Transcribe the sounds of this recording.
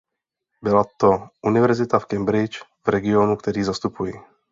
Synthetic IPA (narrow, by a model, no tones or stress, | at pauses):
bɪlat̪oʔunɪvɛɾzɪt̪afkɛmbɾɪt͡ʃvɾɛɡɪonukt̪ɛɾiːzast̪upujɪ